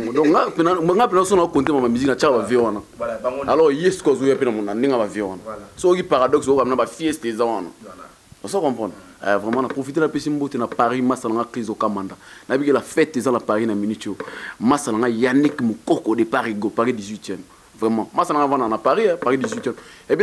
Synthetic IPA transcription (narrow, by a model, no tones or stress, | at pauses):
dɔ̃kŋɡapenaŋɡapenas̬onaokontemãmamizinat͡ʃaabavewanaalɔʁjesi̥kazoapenamonandeŋabavewanasokipaʁadɔksokamɛnabafiɛstezãwana̰ | ɔsakɔ̃mpʁɔ̃n | ɛ̰vʁɛmãnapʁofit̬enapesimbotenapaʁimasalaŋɡakizokamãndanabikelafɛtezanapaʁinaminitomasalaŋɡajanɛkmokɔkɔdepaʁiɡopaʁidizwitjɛm | vʁɛmãmasaaŋɡavananapaʁiɛpaʁidizwitɛmepe